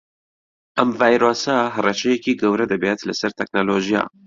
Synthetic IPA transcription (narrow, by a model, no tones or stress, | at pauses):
ʔɐmvaːjɾoːsɐɦɐrɛt͡ʃɛjɛkiːɡɐwɾɛd̪ɐbet̪lɨsɐɾt̪ʰɛk̚noloːʒija̰ː